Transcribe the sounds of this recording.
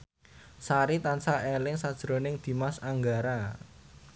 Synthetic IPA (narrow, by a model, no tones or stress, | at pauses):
saɾit̪ansaʔelɪŋsad̥ʒ̥ɾo̤nɪŋd̪̥i̤masaŋɡaɾa